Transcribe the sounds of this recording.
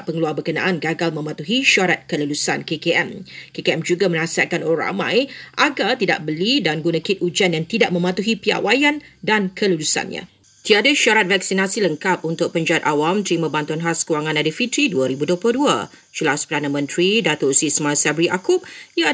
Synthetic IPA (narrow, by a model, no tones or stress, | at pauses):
ʔpəŋəluarbərkəna̰ʔanɡaɡalmə̃mãt̪uɦiʃaɾat̪̚kəlulusankekeʔɛmkekeɛmd͡ʒuɡamə̃nasiat̪̚kanoɾa̰mã̰jʔaɡalt̪ida̰ʔbəlidanɡunə̃kɪt̪̚ud͡ʒanjaŋt̪idaʔ̚mə̃mãt̪uɦipia̰wajandankʰəlulusa̰nɲã̰ | t̪iadaʃaɾat̪̚vak̚sinasiləŋkap̚unt̪ʊk̚pəɲd͡ʒaat̪awamt̪ɾimãbant̪ʊnɦaskəwaŋãnadifit̪ɾiduaɾibudopʊldua̰ | d͡ʒəlaspərdanamə̃nt̪ɾidat̪ʊsismasabɾiʔakʊp̚ja